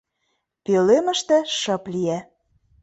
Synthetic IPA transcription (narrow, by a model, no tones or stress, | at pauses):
pølemə̆ʃt̪ĕʃɤ̆pliæ